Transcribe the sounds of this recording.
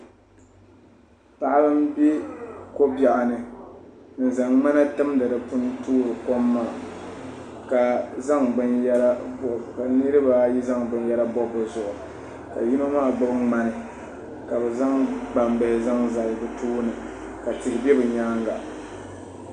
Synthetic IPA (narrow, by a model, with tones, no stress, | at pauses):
pa˨ʔa˦bɨ˦m˦bi˦ko˦ba˨ʔa˨nɨ˨ | n̩˨za˨ŋma˦na˦tɨ˦mda˨dɨ˨pʊ˦n˦tuː˦ɾɨ˨ko˦mːa˦˨ | ka˨za˦ŋbɨ˨njɛ˦ɾa˦bɔ˨ka˨nɨ˦ɾɨ˦ba˨ji˦za˦ŋbɨ˨n˦jɛ˦ɾa˦bɔ˦bɨ˨zʊ˨ʔʊ˨ | ka̰˨ji˦no˦maː˦˨ɡ͡bʊ˦bɨ˦ŋma˦nɨ˨ | ka˨bɛ˨za˦ŋɡ͡ba˨mbɛ˨hɪ˨za˦ŋza˨lbɨ˨tʰuː˦nɨ˨ | ka˨tɨ˨ɾɨ˨bɛ˦bɨ˨ɲaː˦ŋɡa˨